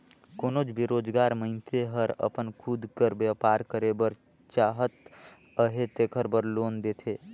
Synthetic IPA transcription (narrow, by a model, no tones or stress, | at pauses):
koːnod͡ʒbiɾoːd͡ʒɡaːɾmə̃ɪ̃nt̪ʰeɦəɾə̰pənkʰud̪kəɾbjəpaːɾkəɾebəɾ | t͡ʃaːɦət̪ | əɦet̪eːkʰəɾbəɾloːnd̪et̪ʰeː